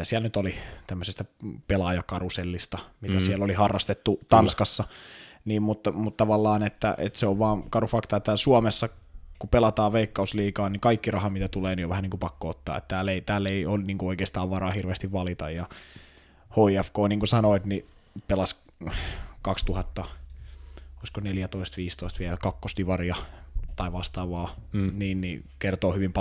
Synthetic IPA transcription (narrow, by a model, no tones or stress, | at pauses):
æsiælnyt̪olit̪æmːøsest̪æpelɑjɑkɑruselːist̪ɑmit̪æsiælːolihɑrːɑst̪et̪ːut̪ɑnskɑsːɑniːmmut̪ːɑmut̪t̪ɑʋɑlːɑːnet̪ːæ̰ʔḛt̪seoʋʋɑːnkɑrufɑkt̪ɑet̪ːæsuɑmesːɑ | kupelɑt̪ɑːʋʋeikːɑusliːkɑːnnikɑikːirɑhɑmit̪æt̪uleːnioʋæhæniːŋkupɑkːoot̪ːɑ̰ːḛt̪t̪æːleit̪æːlːeionniːŋkuoikeːst̪ɑːʋʋɑrɑːhirʋeːst̪iʋʋɑlit̪ɑ̰jjɑ | hoːiæfkoːniːŋkusɑnoit̪ni | pelɑs | kɑkst̪uhɑt̪ːɑ | oiskoneljæt̪oist̪ʋiːst̪oist̪ʋiɛlkɑkːost̪iʋɑrjɑt̪ɑiʋɑst̪ɑːʋɑːniːnnḭkert̪oːhyʋimpɑ